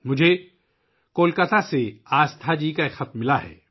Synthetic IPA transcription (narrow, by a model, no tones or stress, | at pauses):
mʊd͡ʒʱe | koːlkət̪aseaːst̪ʰad͡ʒiːkaeːkxɐt̪mmɪlaɦɛ̰ː